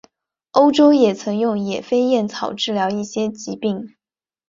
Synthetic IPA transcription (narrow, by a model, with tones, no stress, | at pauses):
o˥ʊʈ͡ʂo˥ʊjɛ˨˩t͡sʰɤ˧˥ŋjʊ˥˩ŋjɛ˨˩fe˥ɪjɛ˥˩nt͡sʰɑ˨˩ʊʈ͡ʂɻ̩˥˩ljɑ˧˥ʊi˥˩ɕjɛ˥t͡ɕi˧˥pi˥˩ŋ